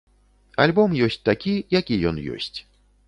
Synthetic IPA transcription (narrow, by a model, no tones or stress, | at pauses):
a̰lʲbɔmjɔsʲt͡sʲt̪akʲijakʲijɔnjɔ̰sʲt͡sʲ